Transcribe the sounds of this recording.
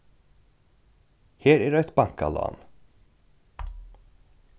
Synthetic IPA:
hæːɾæɖoɛt̪baŋkɑ̰lɑ̰ːn

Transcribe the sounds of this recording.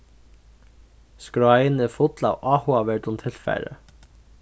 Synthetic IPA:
skɾajnɛfʊt̪la̰wʔaːhʊaʋɛɹt̪ʊmt̪ʰɪlfa̰jɾə̰

